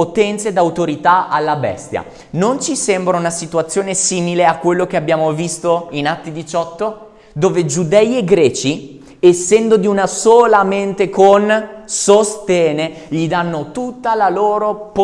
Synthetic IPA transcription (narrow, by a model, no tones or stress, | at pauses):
ot̪ɛnt̪sed̪awt̪oɾit̪aalːabɛ̰st̪ja̰ | nont͡ʃisɛmbɾaunasit̪uat̪sːjoːnesiːmileakːwelːok̟eabːjaːmovist̪oinat̪ːid̪it͡ʃɔt̪ːo | d̪oːved͡ʒud̪ɛjeɡɾɛːt͡ʃi | esːɛnd̪od̪iunasoːlament̪ekonsost̪jɛːne | ʎid̪anːot̪ut̪ːalaloːɾop